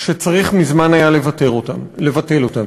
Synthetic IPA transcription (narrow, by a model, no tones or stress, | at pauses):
ʃet͡saʁiχmizmanajalevat̪eʁotalevat̪e̞lo̞t̪am